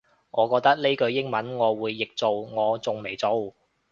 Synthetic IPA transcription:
ŋɔː˨˧kɔː˧k̚t̪ɐ˥k̚le˥kɵ˧ɥjɪ˥ŋmɐ˨˥nŋɔː˨˧wuː˨˧jːɪ˨k̚t͡so˨wŋɔː˨˧t͡sʊ˨ŋme˨˩jt͡so˨˧w

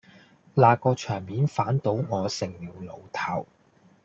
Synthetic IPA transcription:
laː˨˧kɔː˧t͡ʃʰœː˨˩ŋmiː˨˥nfaː˨˥nt̪o˨˥wŋɔː˨˧sɪ˨˩ŋliː˨˩wlo˨˧wt̪ʰɐ˨˩w

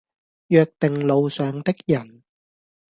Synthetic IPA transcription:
jœː˧k̚t̪ɪ˨ŋlo˨˧wsœː˨ŋt̪ɪ˥k̚jɐ˨˩n

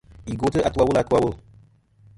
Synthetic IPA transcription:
i˨ɡo˨˦tɨ˦ʔa˨tu˦wa˨wu˦la˨˧tu˦wa˨wo˦l

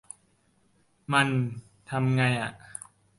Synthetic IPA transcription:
ma˧n | t̪ʰa˧mŋa˧jʔa˨˩ʔ

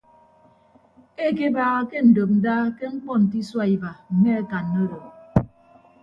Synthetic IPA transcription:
e˦ke˦baː˦ɣa˦ke˦n̩˨do˨p̚n̩˨daː˦ke˦ŋ͡m̩˦k͡pɔ˦n̩˨ti˦swa˦i˨ba˨ŋ̩˨ŋe˦a˦ka˨nːo˦ɾo˨

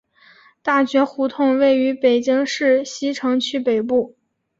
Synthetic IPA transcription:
t̪a˥˩ɕɥɛ˧˥xu˧˥t̪ʰʊ˥˧ŋwe˥˩ɪy˧˥pe˨˩ɪt͡ɕi˥ŋʂɻ̩˥˩ɕi˥ʈ͡ʂʰɤ˧˥ŋt͡ɕʰy˥˩pe˨˩ɪpu˥˩

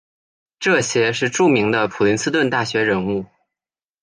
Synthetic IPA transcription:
ʈ͡ʂɤ˥˩ɕjɛ˥ʂɻ̩˥˧ʈ͡ʂu˥˩mi˧˥ŋd̪ə˧pʰu˨˩li˧˥nsɹ̩˥t̪wə˥˧nt̪a˥˩ɕɥɛ˧˥ɻə˧˥nu˥˩

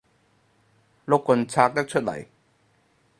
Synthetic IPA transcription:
lo˥kːə˧nt͡sʰaː˧k̚t̪ɐ˥k̚t͡ʃʰɵ˥t̚lɐ̰˨˩j

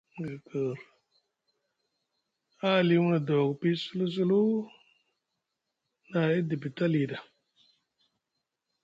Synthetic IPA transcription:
ə˨kə˨ɾ | a˦˨li˦wna˨do˨kpi˦su˦lu˦s̬u˦lu˦ | na˨i˦di˨bi˨ta˦li˨da˨

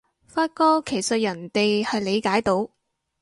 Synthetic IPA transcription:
faː˧t̚kɔː˥kʰe˨˩jsɐ˨t̚jɐ˨˩nt̪e˨jhɐ˨jle˨˧jkaː˨˥jt̪o˨˥w

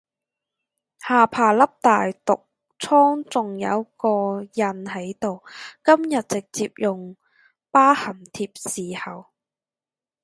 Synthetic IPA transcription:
haː˨˩pʰaː˨˩lɐ˥p̚t̪aː˨jt̪ʊ˨k̚ | t͡sʰɔː˥ŋt͡sʊ˨ŋjɐ̰˨˧wkɔː˧jɐ˨nhɐ˨˥jt̪o˨wkɐ˥mjɐ˨t̚t͡sɪ˨k̚t͡siː˧p̚jʊ˨ŋ | paː˥hɐ˨˩mt̪ʰiː˧p̚siː˨hɐ˨w

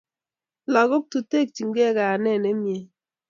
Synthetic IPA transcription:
lɔ˨ɡo˦k̚tu˨te˦˨k̚ti˨ŋɡɛ˦˨kaː˨nɛ˦˨ne˦mje˨

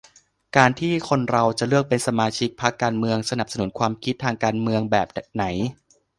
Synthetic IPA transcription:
kaː˧nt̪ʰiː˥˩kʰo˧nɾa˧wt͡ɕa˨˩lɯ˥˩ək̚pe˧nsa˧maː˧t͡ɕʰi˦˥k̚pʰa˦˥kːaː˧nmɯ˧əŋsa˧na˨˩p̚sa˧nu˩˦nkʰwaː˧mkʰi˦˥t̪ʰːaː˧ŋkaː˧nmɯ˧əŋbɛː˨˩p̚d̚na˩˦j

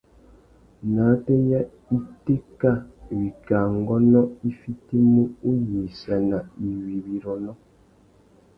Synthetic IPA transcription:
na˨˦te˦ja˦ | i˦te˦ka˦wi˨ka˨ŋ˦ɡɔ˦nɔ˦i˦fi˦ti˦mu˦u˦ji˨sɛ˨na˨i˨wi˨wi˨ɾɔ˨nɔ˦

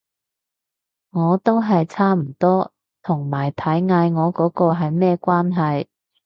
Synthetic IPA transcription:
ŋɔː˨˧t̪o˥wɦɐ˨jt͡sʰaː˥m̩˨˩t̪ɔː˥ | t̪ʰʊ˨˩ŋmaː˨˩jt̪ʰɐ˨˥jŋaː˨˧jŋɔː˨˧kɔː˨˥kɔː˧ɦɐ˨jmɛː˥kʷwaː˥nɦɐ˨j

